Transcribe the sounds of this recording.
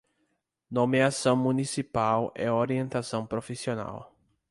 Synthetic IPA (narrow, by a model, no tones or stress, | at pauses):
nõmeasɐ̃w̃mũnisipawɛ̰oɾiẽnt̪asɐ̃w̃pɾofisiona̰w